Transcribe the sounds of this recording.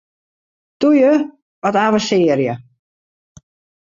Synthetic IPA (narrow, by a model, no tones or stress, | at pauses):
tujə | ʋɔtaːʋəsɪːəɾjə